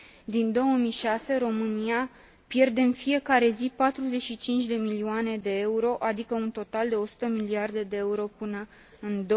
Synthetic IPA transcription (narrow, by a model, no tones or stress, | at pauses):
d̪ind̪o̞wəmijʃase̞ɾo̞mɨnia | pje̞rd̪e̞ɨnfie̞kaɾe̞zipat̪ɾuze̞ʃit͡ʃint͡ʃʲd̪e̞milioane̞d̪e̞euɾo̞ʔad̪ikəunt̪o̞t̪ald̪e̞o̞su̥t̪əmiliard̪e̞d̪e̞euɾo̞pɨnə | ɨnd̪o